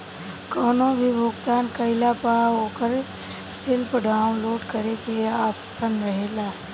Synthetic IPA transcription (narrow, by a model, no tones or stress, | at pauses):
kɔːnõbʱibʱoːɡt̪aːnkəɪlapaːɦoːkəɾ | sɪlpəɖʱãːloːʈkəɾekeaːtsənɾəɦeːlaː